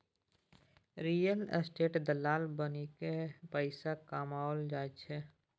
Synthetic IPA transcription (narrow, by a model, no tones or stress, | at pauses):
ɾiːjəl̰sʈeːʈd̪əlaːlbənikepəɪsakaːmaːold͡ʒaːt͡ʃʰɛ